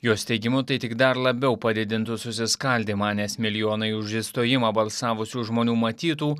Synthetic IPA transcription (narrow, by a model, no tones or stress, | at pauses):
joːsʲt̪ʲɛɪɡʲɪmʊt̪ɐɪt̪ʲɪɡd̪ɐɾlˠɐbʲɛʊpɐd̪ʲɪd̪ʲɪnt̪ʊsʊsʲɪskɐlʲd̪ʲeːmɑːnʲɛsmʲɪlʲɪjoːnɐɪʊʒʲiːst̪oːjɪmɑːbɐlˠsɑːʋʊsʲuːʒmoːnʲuːmɐt̪ʲiːt̪uː